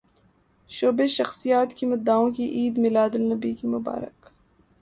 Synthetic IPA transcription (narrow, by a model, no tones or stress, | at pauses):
ʃoːbeʃɐxsijaːt̪kimɐd̪aːõkiʔiːd̪mɪlaːd̪ɪlnɐbikimʊba̰ːɾɪ̰k